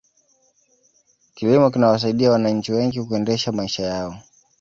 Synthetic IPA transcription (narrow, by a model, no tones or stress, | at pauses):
kiwimɔkinawas̬aiɗiawanaɲ̩t͡ʃiwɛŋɡikuɛndɛʃamaiʃajaɔ